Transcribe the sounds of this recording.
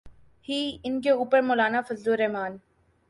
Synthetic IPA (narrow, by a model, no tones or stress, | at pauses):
hiːɪnkeuːpəɾmoːlaːnafɐzloɾɛːmaːn